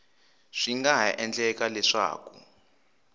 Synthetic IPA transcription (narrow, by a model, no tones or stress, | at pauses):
ʂiŋɡaʔɛnd͡ɮɛkalɛʂa̰ːku